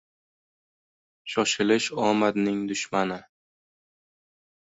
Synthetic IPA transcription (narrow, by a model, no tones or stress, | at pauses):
ʃɒʃɪlɪʃɒmad̪nɪŋd̪ʊʃmanɪ